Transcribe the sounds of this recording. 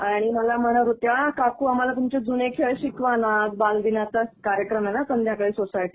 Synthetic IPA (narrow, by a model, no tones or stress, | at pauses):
aɽ̃iməlam̤əɽaɾut̪jaɭ̃akakuːamalat̪umt͡ɕed͡zunekʰeɕikʋanat̪̚bald̪inat̪əkaɾjəkɾəmenasənd̪ʱjakəɭiːsosajʈi